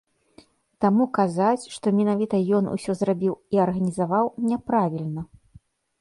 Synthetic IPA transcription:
t̪amukazat͡sʲʂt̪ɔmʲinavʲit̪ɐjɔnṵsʲɔzrabʲiwiɐrɣɐnʲizavawnʲɛpɾavʲilʲnɐ

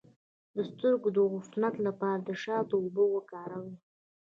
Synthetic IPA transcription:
d̪əst̪əɾɡod̪əɣʊfnat̪lapɑɾad̪əʃɑd̪əobəwəkɑɾawi

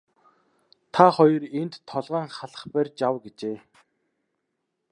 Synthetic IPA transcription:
t̪ʰaχɔjɞ̆rent̪ʰːɔɮʁaːŋχaɮə̥̆χpærʲt͡ɕawɡet͡ɕeː

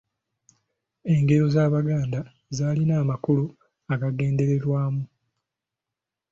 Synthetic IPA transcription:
e̞ŋɡe̞ɾo̞zaːβaɡaːnda | zaːlinaːmakulu | aɡaɡe̞ːnde̞ɾeɾwaːmu

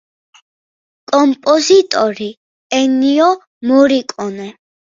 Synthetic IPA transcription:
kʼɔmpʼɔzit̪ʼɔɾi | ɛniɔ | mɔɾikʼɔnɛ

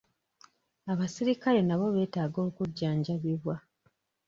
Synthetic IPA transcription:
aβasiɾikale̞naβo̞βe̞ːtaːɡo̞ːkuɟːaːɲɟaβiβwa

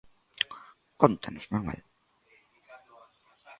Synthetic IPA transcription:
kont̪anozmanwɛ̰l

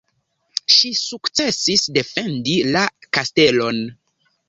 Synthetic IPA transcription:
ʃisukt͡se̞sisde̞fe̞ndilakaste̞lo̞n

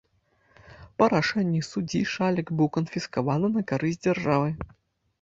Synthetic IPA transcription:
pɐɾaʂɛnʲːisud͡zʲiʂalʲɐɡbɨwkɐnfʲiskavanɨnɐkaɾɨzʲd͡zʲarʐavɨ

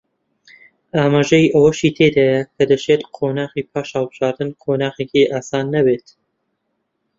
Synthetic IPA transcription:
aːmaːʒɐjʔɐwɐʃiːt̪ʰeːd̪aːjɐkʰɐd̪ɐt͡ʃet̪qʰoːnaːxiːpʰaːʃhɑlˠbɨʒ̥aːɾd̪ɨnqʰoːnaːxekiʔaːsaːnːɐbeːt̪

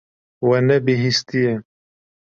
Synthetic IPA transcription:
wɛnɛbiɦist̪ije

